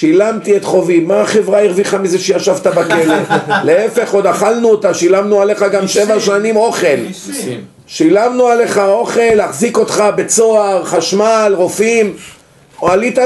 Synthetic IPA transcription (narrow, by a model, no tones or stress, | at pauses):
ʃilamt̪iet̪χo̞vimːaːχe̞vʁaiʁviχamizeʃejaʃavt̪abake̞le̞leefe̞χod̪aχalnuot̪aʃilamnuale̞χaɡamʃe̞vaʃanimo̞χe̞l | ʃilamnuale̞χao̞χe̞lhaχziko̞t̪χabe̞t͡so̞aʁχaʃmalʁo̞fim | oalit̪a